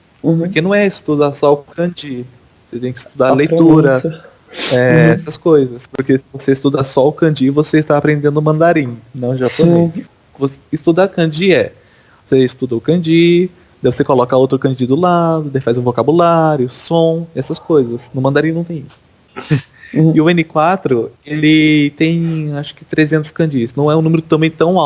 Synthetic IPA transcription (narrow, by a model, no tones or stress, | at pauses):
poɾkenɐ̃w̃ɛɪst̪ud̪asɔʊkɐ̃d͡ʒi | voset̪ẽj̃kɪi̥st̪ud̪aɾlejt̪uɾɐ | ɛɛsɐskojzɐspoɾkesɪvoseist̪ud̪asɔʊkɐ̃d͡ʒivoseɪst̪aːpɾẽnd̪ẽnd̪ʊmɐ̃nd̪aɾĩɲnɛ̃ʒapones | vosɪst̪ud̪akɐ̃d͡ʒiɛ | voseɪst̪ud̪ɐʊkɐ̃d͡ʒi | d̪aɛvosekolɔkɐowt̪ɾʊkɐ̃d͡ʒid̪ʊlad̪ʊd̪ajfazʊ̃vokabulaɾjʊʊsõɛsɐskojzɐsnʊmɐ̃nd̪aɾĩnɐ̃w̃t̪ẽj̃isʊ̥ | ɪʊẽnɪkwat̪ɾʊelɪt̪ẽj̃aʃʊ̥kɪ̥t̪ɾezẽnt̪ʊ̥skɐ̃d͡ʒisnɐ̃w̃ɛũnũmeɾʊt̪ɐ̃bẽj̃t̪ɐ̃w̃aw